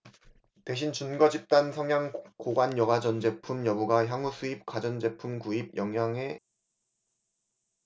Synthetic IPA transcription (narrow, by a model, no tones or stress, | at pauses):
te̞ɕʰint͡ɕunɡʌd͡ʑip̚t͈ansʰʌŋjaŋkoɡwanjʌɡad͡ʑʌnd͡ʑe̞pʰumjʌbuɡaçjaŋusʰuip̚k͈wad͡ʑʌnd͡ʑe̞pʰumkuib̚jʔʌŋjaŋe̞